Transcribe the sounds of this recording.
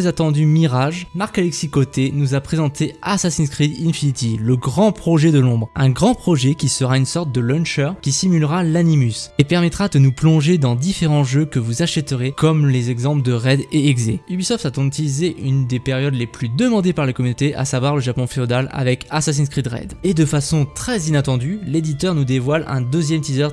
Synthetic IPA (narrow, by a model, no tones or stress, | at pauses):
ɛzat̪ɑ̃d̪ymiʁaʒmaʁkalɛksikot̪enuzapχezɑ̃t̪ʰeasasinskχid̪ĩnfinit̪iləɡʁɑ̃pχɔʒɛd̪əlɔ̃bʁɛ̃ɡʁɑ̃pχɔʒɛkʲisəʁaynsɔʁt̪̚d̪əlœ̃nʃœʁkʲisimylʁalanimysepɛʁmɛt̪χad̪ənuplɔ̃ʒed̪ɑ̃d̪ifeʁɑ̃ʒøkəvuzaʃɛt̪əʁekɔmlezɛɡzɑ̃pld̪əʁɛd̪eːɡzeybisɔft̪at̪ɔ̃yt̪ilizeʔynd̪epeʁjɔd̪leplyd̪əmɑ̃d̪epaʁlekɔmynot̪eʔa̰savwaʁləʒapɔ̃feod̪ala̰vɛkasas̬inskχid̪ʁɛ̰d̪ed̪əfasɔ̃t̪χɛzinat̪ɑ̃d̪yled̪it̪œʁnud̪evwalɛ̰̃d̪øzjɛmt̪izœʁ